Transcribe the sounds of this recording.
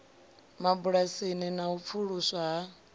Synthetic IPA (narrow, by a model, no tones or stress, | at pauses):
mabuɺasininaup̪fʰuɺusaɦa